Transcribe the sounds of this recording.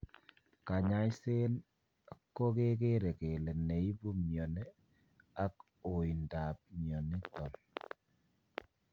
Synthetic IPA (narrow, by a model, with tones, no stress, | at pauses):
ka˨ɲa˨˦i˦se˦n | a˨kːo˦ke˦ke˦ɾɛ˨ke˨lɛ˨ne˨i˦bu˦mjɔ˨nɛ˦ | a˦k | o˨i˨nda˨p̚mjɔ˨ni˦tɔ˨m